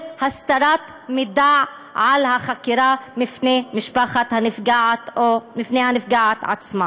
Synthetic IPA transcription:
hast̪aɾat̪ | mid̪aʕ | ʕalhaχakiɾamifnemɪʃbaχat̪hanɪfɡaʕt̪omifnehanɪfɡaʕat̪ʕa̰t͡sma

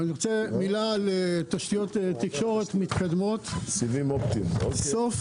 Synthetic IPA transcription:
aniʁot͡semilalet̪aʃt̪ijot̪etːikʃo̞ʁet̪mit̪kad̪mo̞t̪sivimopt̪imo̰sof

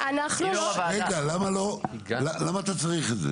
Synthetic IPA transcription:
ʔanaχnuʁeɡalamalo̞lalamaːt̪at͡saʁiχedzḛ

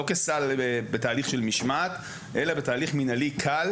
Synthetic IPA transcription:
okesalbetaːliχʃelmiʃmat̪ | ʔelabetaːliχminalikʰal

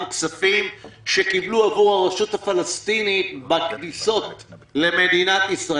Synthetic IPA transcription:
ksafimʃekibluavuʁhaʁaʃut̪hafalast̪initbakdiso̞t̪ | le̞med̪inat̪isʁa

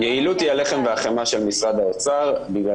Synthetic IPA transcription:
jeilut̪iale̞χe̞mveaχemaʃe̞lmisʁad̪aot͡saʁbiɡla

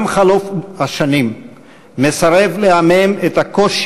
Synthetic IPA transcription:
mχalofhaʃanimː | e̞saʁe̞vleamemet̪akoʃ

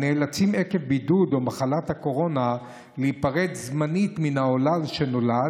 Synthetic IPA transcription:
neːlat͡simekevbidudomaχalathako̞ʁo̞na | leipaʁetzmanitminao̞lalʃeno̞la

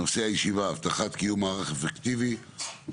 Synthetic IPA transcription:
ose̞ajeʃivaːvt̪aχat̪kijumaːʁaχefekt̪ivi

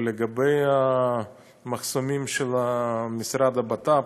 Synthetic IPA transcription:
leɡabeja | mɐχsomimʃelamisɾad̪abat̪a

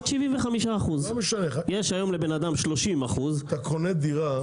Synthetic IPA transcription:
tʃiviɱveχamiʃaːχuzomeʃanejeʃajo̞mle̞be̞nad̪amʃlo̞ʃimaχuzt̪akoned̪iʁa

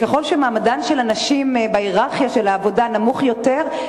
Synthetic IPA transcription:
keχo̞lʃemaːmadanʃelanaʃimbeiʁaʁχjaʃelaːvo̞danamuχjo̞teʁ

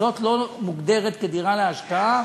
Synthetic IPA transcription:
o̞tlo̞muɡd̪e̞ʁet̪ked̪iʁaleaʃkaa

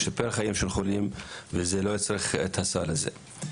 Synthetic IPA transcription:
ʃapelχajimʃelχolimvezelo̞jit͡sʁiχḛt̪hasalazḛ

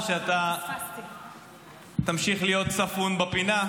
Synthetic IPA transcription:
ʃeat̪a | t̪amʃiχlijo̞t̪safunbapina

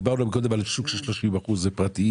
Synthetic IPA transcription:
baʁnuamiko̞d̪emalsukʃelʃloʃimvaχuzepʁat̪i

